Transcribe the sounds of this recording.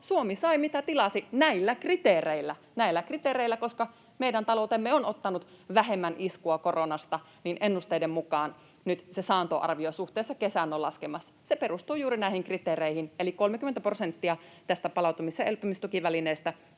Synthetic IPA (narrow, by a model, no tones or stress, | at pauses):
suomisɑimit̪æt̪ilɑsinæilːækrit̪eːreilːæ | næilːækrit̪eːreilːˑækoskɑ | meidænt̪ɑlout̪emːeonot̪ːɑnut̪ʋæɦemːænʔiskuɑkoronɑst̪ɑ | ninʔenːust̪eidemmukɑːn | nyt̪sesɑːnt̪o̰ʔɑ̰rʋiosuht̪eːsːɑkesæːnːolɑskemɑsːɑ̥seperust̪uːjuːɾinæihiŋkrit̪eːreihinelikolmekymːent̪æprosent̪ːiɑt̪æst̪æpɑlɑˑut̪umisɑelpymist̪ukiʋælineːst̪æ